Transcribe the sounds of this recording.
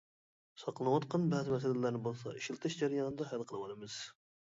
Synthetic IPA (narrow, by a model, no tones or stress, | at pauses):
sɑqlˠɨnwɑt̪qʰɑnbɛːzɪmɛs̬ɛlɪlæɾnɪbolˠsɑ̰iʃilˠt̪ʰɨʃd͡ʒæɾijɑnɨd̪ɑɦælˠqʰəlˠɨwɑlɨmɨz̥